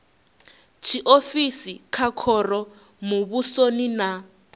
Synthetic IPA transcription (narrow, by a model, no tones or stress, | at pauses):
t͡ʃʰiʔofisikʰakʰɔrɔ | muβusonina